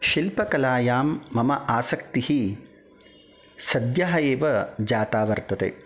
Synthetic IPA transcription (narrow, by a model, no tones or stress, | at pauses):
ʃilpɐkɐlaːjaːmːɐmɐʔaːsɐk̚t̪ihi | sɐd̪jaːɦɐjeːʋɐd͡ʒaːt̪aːʋɐɾt̪ɐt̪ḛː